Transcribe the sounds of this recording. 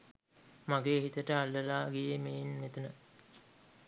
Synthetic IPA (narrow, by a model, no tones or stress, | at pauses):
maɡeːɦit̪əʈəalːəlaːɡejemejinmet̪unə